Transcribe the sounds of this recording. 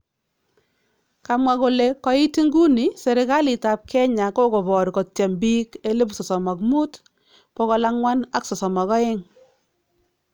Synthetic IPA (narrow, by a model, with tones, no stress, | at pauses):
ka˨mwa˨ko˨le˨kɔ˦i˦ti˦ŋɡu˦ni˨se˨ɾɪ˨ka˦lɪ˨ta˨p̚kʰɛ˦ɲa˨ko˦ko˨βɔ˨ɾkɔ˨tɛ˨mbi˦ke˦le˦p̬sɔ˨sɔ˨ma˨kmu˦t | pɔ˦kɔ˦la˦ŋwa˦na˦ksɔ˨sɔ˨ma˨kɔ˦ɪ˦ŋ